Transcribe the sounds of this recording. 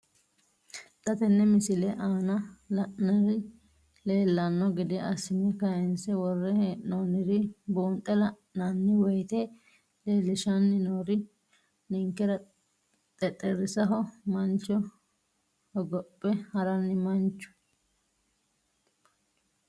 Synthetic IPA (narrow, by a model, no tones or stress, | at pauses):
t̪ɐt̪ɛnːɛmɪsɪlɛʔaːnɐlɐʔnɐɾɪ | leːlːɐnːɔɡɪd̪ɪɐsɪmɛkɐjɛnsɛwɔrːɛhʔnoːnɪɾɪbuːnt̪ʼːɛlɐʔnanːɪwɔjt̪e | leːlːɪʃɐnːɪnoːɾɪ | nɪŋkːɛɾɐ | t̪ʼɛt̪ʼːɛɾɪsɐɦɔmɐnt͡ʃːɔ | hɔɡɔpʼːɛhɐɾɐnːɪmɐnt͡ʃːʊ̥